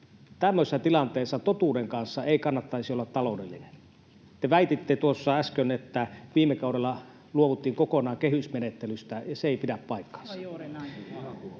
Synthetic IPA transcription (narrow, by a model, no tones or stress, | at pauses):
t̪æmːøsesɑt̪ilɑnt̪eˑːsːɑt̪ot̪uːdeŋkɑnsːɑeˑikɑnːɑt̪ːɑˑisiolːɑt̪t̪ɑlodelːinen | t̪eʋæˑit̪it̪ːet̪uosːɑæskønet̪ːæʋiːmekɑˑudelːɑ | luoʋut̪ːˑiːŋkokonɑːŋkehysmenet̪ːelyst̪æjɑseeˑipidæppɑˑikːɑ̥ns